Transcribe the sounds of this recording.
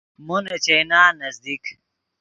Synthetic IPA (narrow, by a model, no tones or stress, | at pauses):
monet͡ɕejnaːnɐzd̪ik